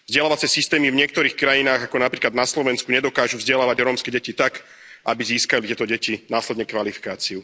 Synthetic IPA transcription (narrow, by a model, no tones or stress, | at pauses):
vzɟɛlaʋat͡sɛsist̪ɛːmivɲɪɛk̚t̪ɔɾiːxkɾajinaːɣakɔnapɾiːklad̪naslɔʋɛnskuɲɛd̪ɔkaːʒuvzɟɛlaːʋaɟɾɔːmskɛɟɛcit̪ak | ʔabiziːskalit̪jɛt̪ɔɟɛcinaːslɛd̪ɲɛkʋalifi̥kaːt͡siu